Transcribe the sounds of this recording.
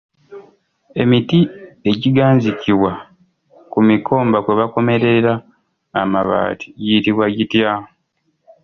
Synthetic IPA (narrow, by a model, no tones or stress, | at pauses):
e̞mitie̞ɟiɡaːɲziciβwa | kumikʰo̞ːmbakweβako̞me̞ɾeɾaː | maβa̰ːti̥jitiβwaɟitja